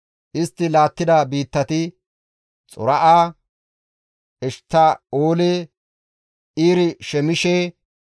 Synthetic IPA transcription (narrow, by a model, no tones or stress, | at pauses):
ʔɪst̪ːɪlaːt̪ːɪd̪abiːt̪ːɐt̪ɪ | t͡sʼʊ̰ɾɐʔaː | ʔɛʃt̪ːaoːleː | ʔiːɾɪʃɛmɪʃeː